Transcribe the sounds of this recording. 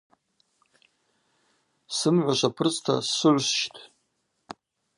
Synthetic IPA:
sɨmʕʷaʃʷapʰɨrt͡sʼtʰa̰sːɨʕʷsʃtʰ

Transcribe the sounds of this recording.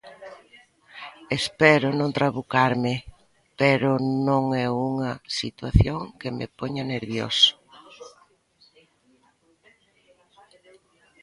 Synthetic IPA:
espɛɾʊnõnt̪ɾaβukaɾmɪ | pɛɾʊnõŋɛuŋɐsḭt̪waθjoŋkemḛpɔɲɐneɾβjo̰so̥

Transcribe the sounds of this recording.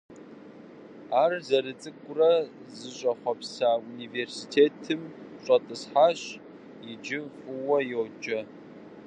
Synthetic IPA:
aːrzɐɾɨt͡sʼɨkʷʼʊrɐ | zɨɕʼɐχʷɔpsauniːveːrsitʰeːtʰɨmɕʼɐtʼɨsħaːɕ | jɪd͡ʒɪfʼʊwɐjowd͡ʒʼɐ

